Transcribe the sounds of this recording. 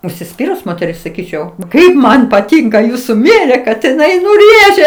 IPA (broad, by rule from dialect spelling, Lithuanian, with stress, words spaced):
ʊʃʲsʲɪˈsʲpʲiːrʊs moːtʲɛˈrʲɪs sɐˈkʲiːt͡ʃʲɛʊ ˈkɐɪp mɐn pɐˈtʲɪŋkɐ ˈjuːsʊ ˈmʲeːrʲeː kɐt ɪˈnɐɪ nʊ ˈrʲeːʒʲɛ